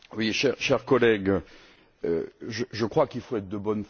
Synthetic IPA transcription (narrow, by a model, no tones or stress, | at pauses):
wiʃɛʁʃɛʁkɔlɛɡ | ø̰ʒəʒəkχwakilfoɛt̪χd̪əbɔnf